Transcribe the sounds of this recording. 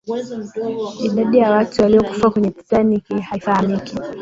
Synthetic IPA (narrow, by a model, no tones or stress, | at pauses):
iɗaɗijawatuwaliɔku̥fakwɛɲɛpi̥tanikihaifahamiki